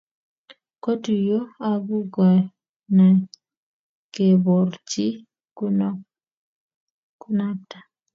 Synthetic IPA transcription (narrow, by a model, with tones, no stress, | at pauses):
ko˦tu˨jo˦a˦bu˦ɡɔ˨ | na˨ | ke˨bo˨rt͡ʃi˦ | ku˦na˦tḁ˨